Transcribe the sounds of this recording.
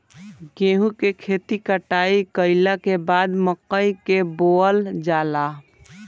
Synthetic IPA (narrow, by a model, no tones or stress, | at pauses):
ɡẽːɦũkekʰeːt̪ikəʈaːikəɪlakebaːd̪məqːəikeboːəld͡ʒaːla